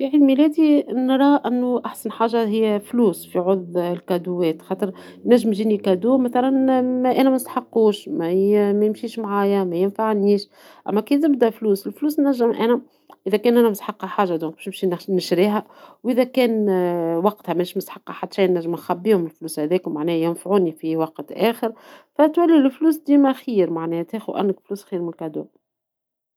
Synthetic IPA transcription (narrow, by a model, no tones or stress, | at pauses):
fiʕiːd̪milɛːd̪inɾˤɑːʔɪnːuʔaħsænħaːʒːaɦɪjːæfluːsfiʕʊðˤlkæd̪uwːɛːt̪xɑːt̪ˤəɾ | næʒːɪmʒiːnikæd̪uːmæθælænmæʔæːnæmæst̪ḁħɑqːuːʃmæmæjɪmʃiːʃmʕaːjæmæjɪnfaʕniːʃ | ʔæ̰mːækiːzɪb̚d̪æfluːsɪlfluːsnæʒːəmʔæ̰ːnæ | ʔɪðækɛːnʔænæmst̪ħɑqːɑħaːʒːad̪ɔ̃ːŋk̚bæʃnbʃinɪʃɾiːɦæ | wʔɪðækɛːnwɑqt̪hæmænʃmʊsħɑqːɑħat̪ːʃæːnːæʒːɪmænxæbːiːhʊmɪlfluːshæðɛːkmaʕnɛːhæjɪnfʕuːnifiwɑqt̪ʔɛːxəɾfæt̪wælːilfluːsd̪iːmæxiːɾmaʕnɛːht̪æːxuʔæ̰nːəkfluːsxiːɾmɪnkad̪ṵːm